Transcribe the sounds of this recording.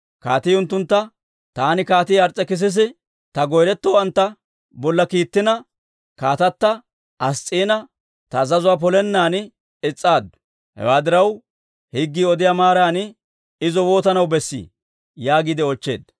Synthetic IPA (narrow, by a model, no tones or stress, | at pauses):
kaːt̪iːʊnt̪ːʊnt̪ːɐ | t̪aːnɪkaːt̪iːɐɾt͡sʼːɛkɪs̬ɪs̬ɪ | t̪ɐɡɔjɾɛt̪ːoːɐnt̪ːɐ | bɔlːɐkiːt̪ːɪnɐ | kaːt̪ɐt̪ːɐ | ʔɐst͡sʼːiːnɐ | t̪ɐzɐzʊwaːp̬ɔlɛnːaːnɪ | ɪt͡sʼːaːd̪ | hɛ̰waːd̪ɪɾɐw | hɪɡːiːɔd̪ɪjamaːɾaːnɪ | ɪzɔwo̞ːt̪ɐnɐwbɛsːḭː | jaːɡid̪ɛɔt͡ʃːḛːd̪